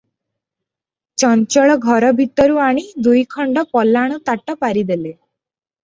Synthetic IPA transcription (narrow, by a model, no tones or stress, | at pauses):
t͡ʃɔnt͡ʃɔɭɔɡʱɔɾɔbʱit̪ɔɾuaɽ̃id̪ujkʰɔɳɖɔpɔlːaɽ̃ut̪aʈɔpaɾid̪ele